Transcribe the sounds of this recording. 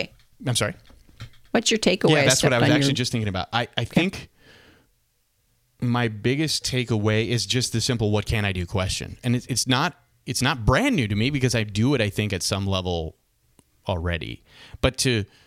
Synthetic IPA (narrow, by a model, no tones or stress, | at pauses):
ãɪ̃msɑɹi | wʌtsə˞tʰeɪkəjðætswʌɾaɪwʌzækt͡ʃʉl̩ˠid͡ʒʌsθɪ̃ŋkɪ̃ŋɨəbaʊɾaɪʔaɪθɪ̃ŋk | maɪbɪɡɨstʰeɪkəweɪɪzd͡ʒʌst̪̚ðɨsɪ̃mpl̩ˠwʌt̚kʰɨ̃ɾ̃aɪdɨkʰw̥ɛst͡ʃɨ̰̃nɨ̃nɨɨtsnəɾ | ɨtsnət̚b̥ɹæ̃nːʉɾɨmibɨkʌzaɪdɨːɾaɪθɪ̃ŋkɨtsʌ̃mlɛvl̩ˠ | l̩ˠɹɛ̰ɾḭ | b̥ʌtʰɨ